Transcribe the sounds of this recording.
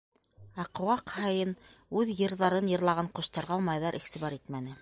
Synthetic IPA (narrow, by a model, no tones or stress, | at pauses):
ɑq̆wɑqhɑjɤnʉðjɤ̆ɾðɑɾɤnjɤ̆ɾlˠɑʁɑɴqŏʃt̪ɑɾʁɑlˠmɑjðɑɾʔiχt̪iβɑɾit̪mænɘ